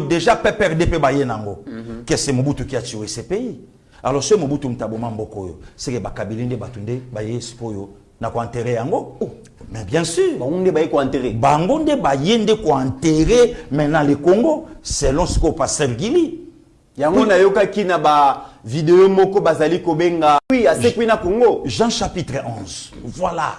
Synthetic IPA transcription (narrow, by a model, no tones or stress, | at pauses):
deʒapɛpɛʁdepebajenaaŋɡo̰kesɛmobutukiatiesepei | alɔsoimobutumutabomambɔkojo̰sekebakabilendebatondebajesi̥kojo | nakoɛ̃nteʁejaŋɡo | mɛbjɛ̃syʁaɡondebajekoɛ̃nteʁebaŋɡondebajendekoɛ̃nteʁemɛnalekoŋɡosɛlɔ̃sikopastɛʁɡili | jaŋɡonajokakinabavideomɔkɔbazalikobeŋɡawiasekwinakoŋɡoʒãʃapitʁɛʔɔ̃zvwala̰